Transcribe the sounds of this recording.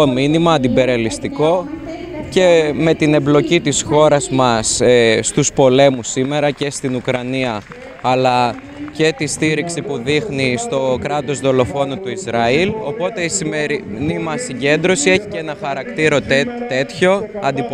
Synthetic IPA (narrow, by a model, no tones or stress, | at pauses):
ominimɐːnd̪ibe̞ɾiɐlist̪iko̞ | ce̞me̞t̪ine̞mblo̞cit̪isxo̞ɾɐzmɐsest̪uspo̞le̞musime̞ɾɐce̞st̪inukɾɐniɐː | lɐ | ce̞t̪ist̪iɾiksipuðixnist̪o̞kɾɐt̪o̞zðo̞lo̞fo̞nut̪uizɾɐilo̞po̞t̪e̞isimeɾinimɐsiɲɟe̞nd̪ɾo̞sie̞çiceenɐxɐɾɐkt̪iɾo̞t̪t̪e̞t̪ço̞ɐnd̪ip